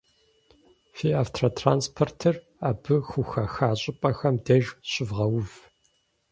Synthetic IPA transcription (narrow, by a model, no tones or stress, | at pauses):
fiːaːftʰratʰraːnspʰortʰɨr | aːbɨxʷʊxɐxaːɕʼɪpʼɐxɐmdɐʒɕʼɪvʁɐwʊv